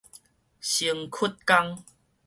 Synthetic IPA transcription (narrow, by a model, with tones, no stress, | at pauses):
ɕi˧əŋkʰu˦t̚ka˦ŋ